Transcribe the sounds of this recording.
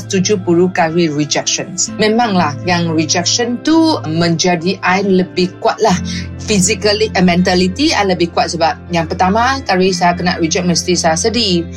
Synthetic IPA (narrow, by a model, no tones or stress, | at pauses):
st̪ud͡ʒupuɾukaɹiɹid͡ʒɛk̚ʃə̃nsmẽmãŋlahjaŋɹid͡ʒɛk̚ʃənt̪umə̃ɲd͡ʒadiʔajnləbɪhkuat̪̚lahfizikaliʔəmɛ̃nt̪alit̪ialəbɪhkuat̪̚səbap̚jaŋpərt̪amãkaɾisajakənaʔɹid͡ʒɛk̚mə̃st̪isajasədi